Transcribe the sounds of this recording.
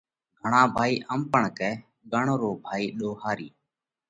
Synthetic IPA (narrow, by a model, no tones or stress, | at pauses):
ɡʱəɳãːbʱaːiːʔəmpəɳkɛː | ɠəɳoːɾoːbʱaːiːɗoːhaːɾiː